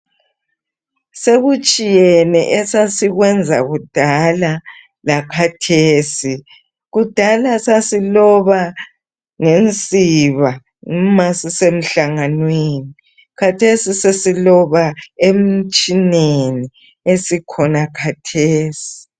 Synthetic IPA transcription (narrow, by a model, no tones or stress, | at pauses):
seɣut͡ʃʼijɛnɛ̰ʔɛsasiɣwɛnd͡zʱa̰ɣud̥ʱala | lakʰatʰeːsi | ɣud̥ʱalasasilɔβa | ŋent͡sʼiβa | ŋmasisem̩ɬaŋanweni | kʰatʰesisesilɔβaem̩t͡ʃʼineni | esikʰɔnakʰatʰeːsi̥